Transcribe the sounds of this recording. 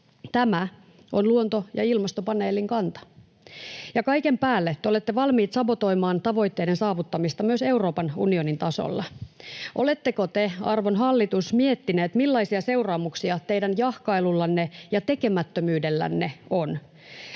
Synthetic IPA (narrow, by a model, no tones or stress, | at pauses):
t̪æmæ | ʔonluont̪o̞jɑilmɑst̪opɑne̞ːliŋkɑnt̪ɑ̥ | jɑkɑike̞mpæːlːet̪ːeole̞t̪ːeʋɑlmiːt̪sɑbo̞t̪o̞jmɑːnt̪ɑʋo̞jt̪ːe̞ːde̞nsɑːʋut̪ːɑmist̪ɑmyøse̞uro̞ːpɑnṵnionint̪ɑso̰lːɑʔo̞le̞t̪ːeko̞t̪eɑ̰rʋo̞nɦɑlːit̪usmie̞t̪ːineːt̪milːɑisiɑse̞urɑːmuksiɑt̪e̞jdænjɑhkɑilulːɑnːejɑt̪e̞ke̞mæt̪ːømyːde̞lːæ̰nːeo̞n